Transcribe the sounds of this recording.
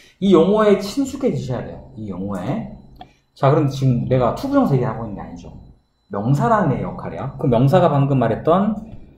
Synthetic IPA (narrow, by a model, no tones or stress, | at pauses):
ijoŋue̞t͡ɕʰinsʰukʰe̞t͡ɕuɕʰʌjade̞̰joijoŋue̞ | t͡ɕakɯɾɯmdt͡ɕiɡɯmne̞ɡatʰubud͡ʑʌŋsʰe̞ɡeɦaɡoɦinɯnɡea̰ɲid͡ʑo̰ | mjʌŋsʰaɾannejʌ̰kʰaɾḛjakɯmjʌŋs̬ʰaɡapaŋɡɯmːaɾɦet̚t͈ʌn